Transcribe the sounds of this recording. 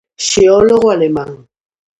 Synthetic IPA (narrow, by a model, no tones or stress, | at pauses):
ʃiɔlɔɣwalɛmaŋ̩